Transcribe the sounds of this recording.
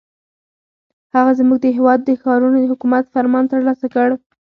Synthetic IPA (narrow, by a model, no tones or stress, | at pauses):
haɣazmuɡ̚d̪əɦewɑd̪ːəxɑɾunod̪əhʊkumat̪faɾmɑnt̪əɾlɑsakəɽ